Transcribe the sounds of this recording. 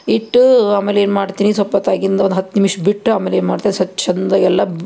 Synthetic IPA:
iʈːuaːmeːleːnmaːɖt̪iːnisɔpːɐt̪aːɡind̪ɐond̪uɦɐt̪ːnimiʂɐbiʈːaːmeːleːnmaːɖt̪aːsɐt͡ʃɐnd̪ɐɛlːɐ

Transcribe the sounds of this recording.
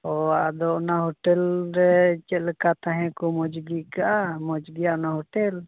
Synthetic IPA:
ɔaʔd̪ɔʔnaɦɔʈɛlɾɛt͡ʃɛt̪̚ˀlɛkat̪aɦɛ̃kumɔd͡ʒɡikaʔamɔd͡ʒɡiaʔnaɦɔʈɛl

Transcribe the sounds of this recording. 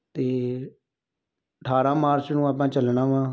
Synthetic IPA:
t̪eː | əʈʰaːɾãːmaːɾt͡ʃnũːaːp̬ãːt͡ʃəlɳãːʋãː

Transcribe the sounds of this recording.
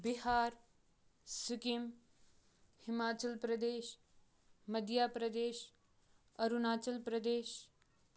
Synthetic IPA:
bɪɦaːɾ | sʊkim | hɪmaːt͡ʃəlpɾɐd̪eːʃ | mɐd̪ʱjaːpɾɐd̪eːʃ | ɐɾunaːt͡ʃəlpɾɐd̪eːʃ

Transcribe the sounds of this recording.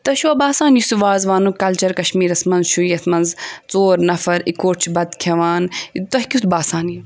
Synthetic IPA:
t̪ɐʃuːbaːsaːnjusuʋaːzʋaːnukɐlt͡ʃɐɾkɐʃmiːɾɐsmɐnzʃujɐsmɐnzt͡soːɾnɐfɐɾikoːʈt͡ʃʰibɐd̪kʲʰɐʋaːnt̪ɐɦkʲit̪baːsaːnji

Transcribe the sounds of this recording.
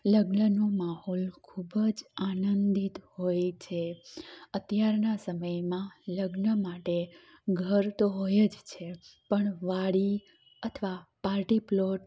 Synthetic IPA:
ləɡnənomaɦɔlkʰubəd͡ʒanənd̪it̪hojt͡ʃʰeət̪jaɾnasəməjmãləɡnəmaʈe | ɡʱəɾt̪oɦojəd͡ʒt͡ʃʰepəɳʋaɽi | ət̪ʰʋapaɾʈiploʈ̚

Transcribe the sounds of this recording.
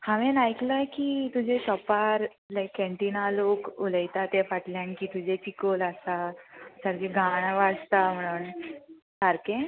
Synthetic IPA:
haʋẽnajklajkit̪ud͡ʑʱesɔpaɾ | lajkːɛ̃ɳʈinalokoləjt̪at̪efaʈljãnkiːt̪ud͡ʑʱet͡ɕikolasasaɾd͡ʑeɡʱaɽ̃ʋast̪am̤əɽ̃uːn | saɾkẽ

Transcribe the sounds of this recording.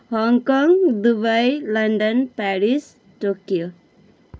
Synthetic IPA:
hɔŋkɔ̃ŋɡd̪ubajlɐ̃ɳɖə̃npæɾis | ʈokijo

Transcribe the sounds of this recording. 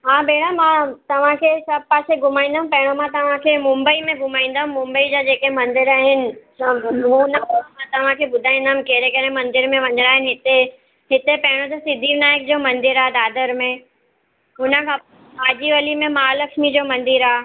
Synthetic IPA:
ɦãːbeːɽ̤̃amãt̪ɐʋ̤ãkʰesɐb̚ʱpaːseɡʱʊmaːĩn̆d̪aɦũmpɐɦɪɽ̃omãt̪ɐʋ̤ãkʰemʊ̃mbəimẽɡʱʊmaːĩːn̆d̪əɦũmmʊ̃mbəid͡ʑad͡ʑeːkemɐ̃nd̪ɪɾaːɦɪnɪ̆ | ɦũnəpɐmãt̪ɐʋ̤ãkʰeɓʊd̪ʱaːĩnd̪aɦʊ̃mkeɦɾekɐɾẽmɐ̃nd̪ɪɾmẽʋɐ̃ɲɾaːɦɪnɪ̆ɦɪt̪e | ɦɪt̪epɐɦɪɽ̃od͡ʑosɪd̪ʱiːɾnaːjək̚d͡ʑoːmɐ̃nd̪ɪɾaed̪aːd̪əɾmẽ | ɦʊnəkʰã | aːd͡ʑiʋɐlimẽmaːləkʃmid͡ʑoːmɐ̃nd̪ɪɾa

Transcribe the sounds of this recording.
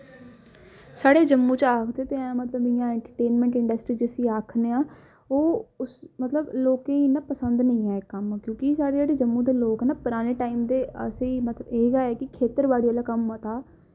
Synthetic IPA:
saːɽeːd͡ʒəmːũːt͡ʃaːkʰd̪eːt̪eːãːmət̪ləbɪjãːɛ̃ːɳʈəɾʈeːnmɛ̃ːɳʈɪɳɖəsʈɾiːd͡ʒesĩːaːkʰneːãː | oːʊsmət̪ləbloːkẽːinaːpəsənd̪nəĩːãːkːəmkjõːkisaːɽeːd͡ʒaːɽeːd͡ʒəmːũːd̪eːloːkɛːnaːpəɾaːneːʈaːiːmd̪eːə̰seiːmət̪ləeːɡaːɛːkɪkʰeːt̪əɾʋaːɽiːəlaːkəmat̪aː

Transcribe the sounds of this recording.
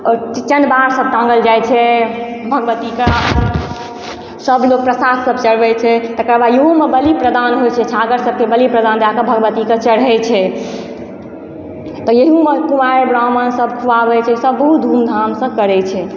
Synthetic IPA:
ɔɾt͡ʃənbaɾsəb̚t̪ãŋɡəld͡ʒajt͡ʃʰɛbʱəɡbət̪ikea | səblok̚pɾəsad̪səbʱt͡ʃəɽ̤bɛt͡ʃʰɛt̪əkəɾbajeɦõmebəlipɾəd̪anɦot͡ʃʰɛt͡ʃʰaɡəɾsəb̚kebəlipɾəd̪and̪akəbʱəɡbət̪iket͡ʃəɽɦɛt͡ʃʰɛ | t̪ɔjeɦiumekumaɾebɾamənsəbkʰuabɛt͡ʃʰɛsəbːəɦut̪̚d̪ʱumd̪ʱamsə̃kəɾɛt͡ʃʰɛ

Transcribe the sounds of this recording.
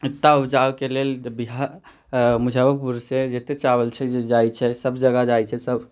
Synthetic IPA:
it̪ːaud͡ʒakelelbiɦaɾ | mud͡ʒʱabəpuɾsed͡ʒet̪et͡ʃabəlt͡ʃʰɛd͡ʒed͡ʒajt͡ʃʰɛsəbd͡ʒəɡad͡ʒajt͡ʃʰɛsəb

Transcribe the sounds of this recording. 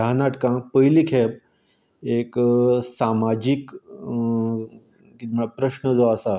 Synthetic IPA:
anaʈkãkpəjlikʰɛp̚ | eksamad͡ʑik | kiapɾəɕnəd͡zɔasa

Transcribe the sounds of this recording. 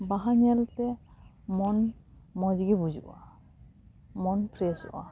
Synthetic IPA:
baɦaɲɛltɛ | mɔnmɔzɡibuzṵʔa̰ | mɔnpʰɾɛsʊ̰ʔa̰

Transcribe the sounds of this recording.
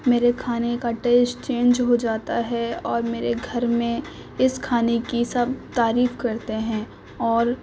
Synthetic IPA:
meːɾekʰaːnekaʈeːsʈt͡ʃẽːnd͡ʒɦod͡ʒaːt̪aɦɛɔːɾmeːɾeɡʱɐɾmẽ | ɪskʰaːnekisɐb̚t̪aːɾiːfkɐɾt̪eɦɛ̃ː | ɔːɾ

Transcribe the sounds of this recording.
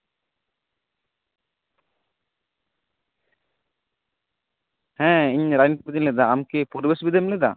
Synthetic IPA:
hɛ̃iɲɾajnit̪ibid̪mlɛd̪aːmkepuɾbesbid̪emlɛd̪a̰

